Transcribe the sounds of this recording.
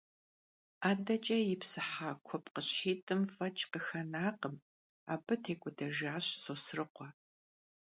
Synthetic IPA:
aːdɐt͡ʃʼɐjɪpsɨħaːkʷʰɔpqəɕħiːtʼɨmfɐt͡ʃʼqəxɐnaːqəm | a̰ːbɨtʰeːkʷʼʊdɐʒaːɕsosrɨqʷɔ

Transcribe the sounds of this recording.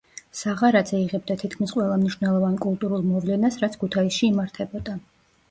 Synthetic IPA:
saʁaɾad̪zʰɛiʁɛb̚d̪at̪ʰit̪kʰmisqʼwɛlˠamniʃwnɛlˠɔvankʼulˠt̪ʼuɾulˠmɔvlɛnasɾat̪sʰkʰut̪ʰaisʃiːmaɾt̪ʰɛbɔd̪a

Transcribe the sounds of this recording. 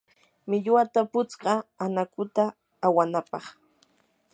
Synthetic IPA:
mɪʎwat̪apʊt͡sɢɑanakʊt̪aː | wanapɑχ

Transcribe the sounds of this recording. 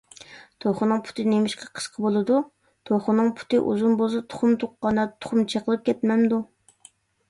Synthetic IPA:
t̪ʰoχʊnɨŋpʰu̥t̪ʰɨnemɪʃqʰɑqʰə̥sqʰəbolˠɨd̪u | t̪ʰoχʊnɨŋpʰu̥t̪ɨʔṵzunbosɨt̪ʰʊ̥χʊmt̪ʰʊqːɑnɑt̪ʰʊ̥χʊmt͡ʃʰeqəlˠɨp̚kʲʰɛt̪mɛmd̪u

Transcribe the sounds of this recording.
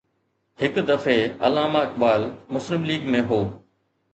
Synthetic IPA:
hɪkd̪əfeːɐ̰laːmaːɪkbaːlmʊslɪmliːɡmẽɦoː

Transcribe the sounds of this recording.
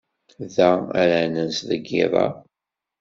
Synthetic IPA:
ðææɾænənsðəɡːɪ̰ðˤɑ̰

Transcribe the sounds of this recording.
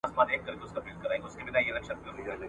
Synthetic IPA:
smaːd̪eːkːɐɾk̪eʊskabɪlʈ̪̚kɐɾaːeɡʊskebɪd̪aelɛkʃənkɐɾi

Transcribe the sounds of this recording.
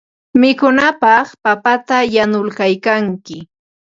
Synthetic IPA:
mɪkʊnapɑχpapat̪ajanʊlkajkaŋkɪ

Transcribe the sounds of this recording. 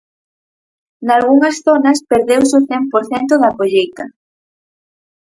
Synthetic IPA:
nalɣuŋɐsθonɐspeɾðewsʊθɛmpoɾθɛnt̪ʊðakoʎejt̪ɐ

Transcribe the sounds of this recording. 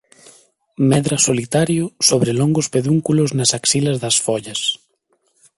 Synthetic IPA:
mɛðɾɐsolit̪aɾjʊsoβɾɪloŋɡʊspeðuŋkulʊznasaksilɐzðɐsfɔʎɐs

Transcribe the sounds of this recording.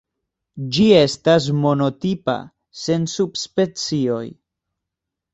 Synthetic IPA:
d͡ʒie̞stas̬mo̞no̞tipa̰ | se̞nsubspe̞t͡sio̞̰j

